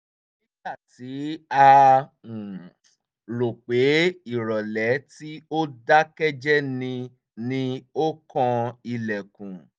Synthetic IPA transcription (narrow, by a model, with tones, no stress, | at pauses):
i˦ta˦˨ti˨˦a˧˨ | ɾo˨k͡pe˨˦i˦˨ɾɔ˨lɛ˨˦ti˦o˦da˦kɛ˦d͡ʒɛ˦nĩ˧ | nĩ˧o˦kɔ̃˧i˧lɛ˨kũ˨